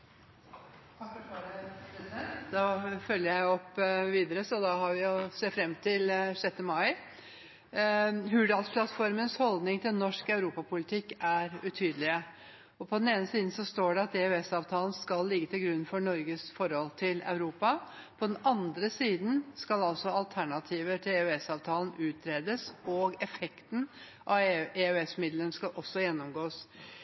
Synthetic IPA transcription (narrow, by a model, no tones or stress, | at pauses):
əd̪ɑfœljəjæɪɔpːʋiːd̪əɾəsɔd̪ɑɦɑɾʋɪjʊsefɾɛmt̪ʰɪlʂɛt̪ːəmɑɪ | ɦʉɖɑlspʰlɑt̪fɔɾmənshɔld̪nɪŋt̪ʰɪlnɔʂkɑʉɾuːpɑpʰʊlɪt̪ʰɪkːæɾʉt̪ʰyːd̪əlɪə | ɔpʰɔd̪ɛneːnəsiːd̪n̩sɔst̪oːɖɛɑt̪̚ɛʉɛsɑːʋt̪ʰɑːlən̩skɑlːɪɡːət̪ɪlɡɾʉnːfɔɳɔɾɡəsfɔɾhɔlt̪ʰɪlɑ̰ʉɾuːpɑ | pʰɔd̪ɛnɑnd̪ɾəsiːd̪n̩skɑlɑlsɔɑlt̪ʰæɳɑt̪ʰiːʋəʈʰɪlɛʉɛsɑːʋt̪ʰɑːln̩ʉːt̪ʰɾeːd̪əsɔɡɛfɛkt̪n̩ | ʔɑɛʉɛsmɪd̪lənskɑlʔɔsːɔjɛnːɔmɡoːs